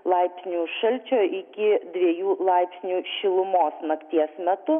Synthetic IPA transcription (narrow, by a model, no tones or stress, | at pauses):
lˠɐɪpʲsʲnʲuːʃɐlʲt͡ʃʲoːʔɪkʲɪd̪ʲʋʲiɛjuːlˠɐɪpʲsʲnʲuːʃʲɪlˠʊmoːsnɐkt̪ʲiɛsmʲɛt̪ʊ